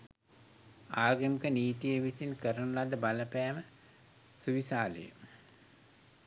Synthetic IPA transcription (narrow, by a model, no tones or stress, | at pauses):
aːɡəmikəniːt̪ijəʋisinkəɾənulad̪əbaləpæːmə | suʋisaːlə̰jə̰